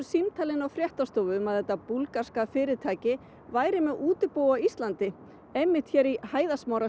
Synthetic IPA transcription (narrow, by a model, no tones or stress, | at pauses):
simt̪ʰalɪnawfɾjɛht̪ast̪oːwvʏmɛðɛt̪ːapulkaɾ̥skafɪːɾɪt̪ʰaːcɪ | vaːjɾɪmɛðuːt̪ʏpoːwaist̪lant̪ɪ | ejmːɪht̪çɛːɾihaːjðasmaːwɾa